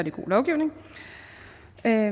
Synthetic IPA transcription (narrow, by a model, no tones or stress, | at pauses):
ɐd̥iɡ̥o̝̰ːlɒʊɡ̥iʊne̝ŋ | ø